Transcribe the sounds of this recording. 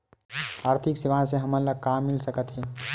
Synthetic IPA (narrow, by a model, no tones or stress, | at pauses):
aːɾt̪ʰiksiʋãseɦəmələɡ̚kamːilsəkət̪ɦɛ̃